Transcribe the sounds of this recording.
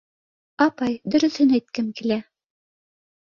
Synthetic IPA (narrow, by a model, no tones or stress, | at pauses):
ɑpɑjd̪ɵ̆ɾɵ̆θɵnæjt̪̚kɘmkilæ